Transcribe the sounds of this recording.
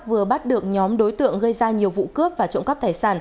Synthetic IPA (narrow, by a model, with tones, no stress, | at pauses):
vɨ˨˩əɓa˦˥t̚ɗɨ˨˩ək̚ɲɔ˨˦mɗo˨˦jt̪ɨ̰˧˨əŋɣə˧jzaː˧ɲi˨˩əwvṵ˧˨kɨ˦˥əp̚vaː˨˩t͡ɕə̰˧wŋ͡mkə˦˥p̚t̪aː˧˩jsaː˧˩n